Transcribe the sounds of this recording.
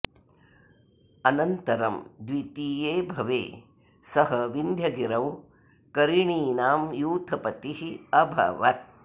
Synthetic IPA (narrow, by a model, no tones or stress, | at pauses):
ɐnɐnt̪ɐɾɐmd̪ʋit̪iːjeːbʱɐʋḛː | sɐɦɐʋind̪ʱjɐɡiɾɐw | kɐɾiɳiːnaːmjuːt̪ʰɐpɐt̪iɦiɐbʱɐ̰ʋɐt̪̚